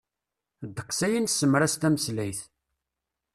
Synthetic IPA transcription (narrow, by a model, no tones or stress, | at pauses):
d̪əqːsæjənsːəmːɾæst̪æməslæjθ